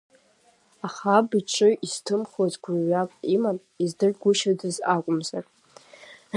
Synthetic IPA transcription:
aχabiʈ͡ʂʷʰʼɨiz̥tʰɨmχozʼɡʷaɥakʷʼiman | izdɨrɡʷʊʃadɨzakʷʼʊmzar

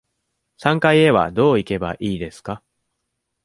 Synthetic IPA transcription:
sãŋkaie̞βa̰d̪o̞ːike̞ba̰ʔiːd̪e̞sɨ̥ka

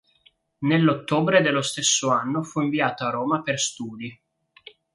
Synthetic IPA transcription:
nelːot̪ːoːbɾed̪elːost̪esːoanːofuiɱviaːt̪oaɾoːmaperst̪uːd̪i

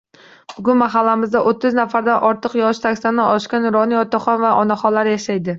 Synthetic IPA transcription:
b̥ʊɡʊnmaɦalːamɪzd̪aʔot̪ʰːɪznafaɾd̪anʔɒɾt̪ʰɨqjɒʃt̪ʰakʲst̪anːɪʔɒʃkʲanɾɒniɒt̪aχɒnvaʔɒnaχɒlːaɾjaʃajd̪ɪ

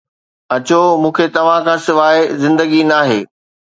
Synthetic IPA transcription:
ɐt͡ɕomũːkʰet̪ɐʋ̤ãkʰãːsɪʋaːezɪ̃nd̪əɡinaːɦeː

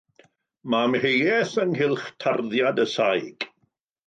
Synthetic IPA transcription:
mamhejɛθənɦɪlˠχtʰarðjadəsajɡ̥

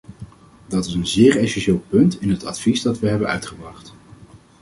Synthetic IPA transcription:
dɑtɪsənzɪːɹɛsɛnʃeːlˠpɵntɪnɦətɑ̰tfizdɑtʋəɦɛbənœ̰ɥtχəbrɑχt

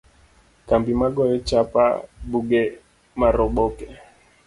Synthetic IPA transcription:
kambimaɡɔjɛt͡ʃapa̰ɓuɡɛ | maɾɔɓɔkɛ

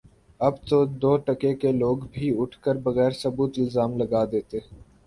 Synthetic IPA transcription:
ɐbt̪od̪oːʈɐkekeloːɡbʱiʊʈʰkəɾbɐɣɛːɾsɐbuːt̪ɪlzaːmlɐɡaːd̪eːt̪eː

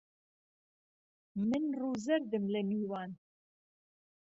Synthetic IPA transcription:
mɨnruːzɛɾd̪ɨmlɛmiːwɑːn

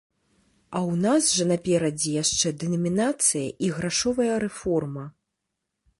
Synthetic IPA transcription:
ɐwnazʐɐnapʲɛɾɐd͡zʲijaʂt͡ʂɛd̪ɛnɐmʲinat̪sɨjɐ̰ʔiɣɾaʂɔvɐjɐɾɛfɔrmɐ

